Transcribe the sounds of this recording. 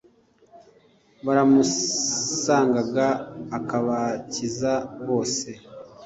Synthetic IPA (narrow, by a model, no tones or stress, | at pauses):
βaɾamu | saːŋɡaɡaːkaβacizaβo̞ːse̞